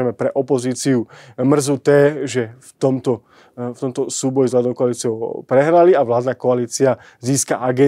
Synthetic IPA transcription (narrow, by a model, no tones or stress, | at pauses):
ɛmɛpɾɛʔɔpɔziːt͡siumr̩zut̪ɛːʒɛft̪ɔmt̪ɔ | ft̪ɔmt̪ɔsuːbɔjizɦlad̪ɔʊkɔaliːt͡sɪɔʊpɾɛɦɾaliaʋlaːd̪nakɔaliːt͡sia | ziːska̰ʔaɡɛ